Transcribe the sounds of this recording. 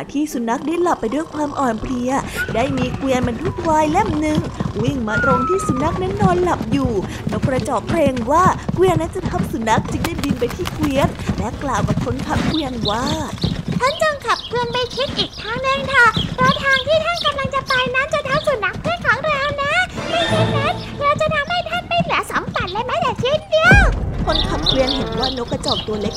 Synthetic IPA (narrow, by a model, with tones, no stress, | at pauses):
a˨˩t̪ʰiː˥˩su˨˩˦nːa˧˦˥k̚daː˥˩jla˨˩pːa˧jdu˥˩əjkʰwaː˧mʔɔː˨˩npli˧ɐdaː˥˩jmiː˧kwi˧ənma˧nt̪ʰu˦˥˩t̪̚waː˧˥jle˥˩mnɯ˨˧˩ŋwi˥˩ŋmaː˧t̪ɾo˧ŋt̪ʰiː˥˩su˨˩˦nːa˦˥k̚nɛ˦˥nːɔː˧nla˨˩p̚juː˨˩ | no˦˥k̚pɾa˧t͡ɕɔː˨˩k̚pɾeː˧ŋwaː˥˩kwi˧ənːa˦˥nt͡ɕa˨˩t̪ʰa˦˥˩msu˨˩˦nːa˦˥k̚t͡ɕɯ˧ŋdaː˥˩jbi˧npa˧jt̪ʰiː˥˩kwi˧ənlɛ˦˥klaː˨˩wka˨˩p̚kʰo˦˥nt̪ʰa˧˦˥mkwi˧ənwaː˥˩t̪ʰa˥˩nt͡ɕɤː˧ŋkʰa˨˩p̚kʰwɯ˧ənma˥˩jkʰi˦˥t̪̚ʔiː˨˩k̚t̪ʰaː˦˥˩ŋnɯ˨˩ŋt̪ʰa˧˩pʰɾɔ˦˥t̪ʰaː˧ŋt̪ʰiː˥˩t̪ʰa˥˩nka˧mla˧ŋt͡ɕa˨˩pa˧jnaː˦˥t͡ɕa˨˩t̪ʰa˧˥msu˨˩˦na˦˥k̚pʰɯː˥˩ənkʰaː˨˩˦ŋɾa˧wna˦˥ma˥˩jsʰa˧˩ne˦˥t̪̚ɾa˧wt͡ɕa˨˩t̪ʰa˧mha˥˩jt̪ʰa˥˩nma˧˥˩jnɯ˨˩˦ɐsa˨˦mfa˨˩t̪̚laː˧˩jmaː˦˥jaː˨˩k̚t̪ʰi˦˥˧t̪̚di˧əwkʰo˧˥np̪ʰa˧˥nkwi˧ənɦe˨˦nwaː˥˩no˦˥kːɾa˧t͡ɕɔː˨˩k̚t̪u˧ɐle˦˥k̚